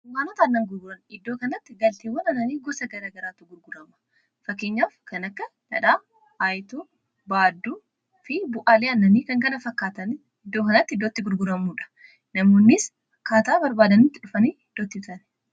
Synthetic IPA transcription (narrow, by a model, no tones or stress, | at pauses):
ʊwaːnɔt̪aːnːɐŋɡʊɾɡʊɾɐnɪd̪ːoːkɐnɐt̪ːɪɡɐlt̪eːwːɐnɐnɐniːɡɔsɐɡɐɾaːɡɐɾaːt̪ːʊɡʊɾɡʊɾɐmɐ̥ | fɐkːeːɲːaːfkɐnɐkːɐnɐ̰ᶑaː | aːjt̪uː | baːd̪ːuː | fɪbʊʔaːleːɐnːɐniːkɐŋkɐnɐfɐkːaːt̪ɐn | ɪd̪ːoːkɐnɐt̪ːɪɪd̪ːoːt̪ːɪɡʊɾɡʊɾɐmːuːᶑɐ̥ | nɐmoːnːɪs | ɐkːaːt̪aːbɐɾbaːd̪ɐniːt̪ːɪᶑʊfɐniːɪd̪̥ːoːt̪ːɪt̪ʊɐɾɛ̥